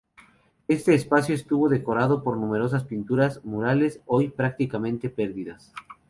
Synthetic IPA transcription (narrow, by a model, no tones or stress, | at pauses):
e̞st̪e̞ːspasjo̞est̪uβo̞ðe̞ko̞ɾaðo̞po̞ɾnume̞ɾo̞s̬aspint̪uɾazmuɾale̞sojpɾak̚t̪ikamẽ̞nt̪e̞pe̞ɾðiðas